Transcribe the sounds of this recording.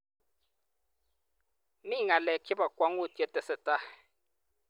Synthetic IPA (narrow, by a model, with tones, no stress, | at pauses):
mi˦˨ŋa˨lɛ˨kʰi˦ba˨kwa˦ŋu˦˨tʼi˨ɛ˦tʼɛ˨sɛ˨tʼa˦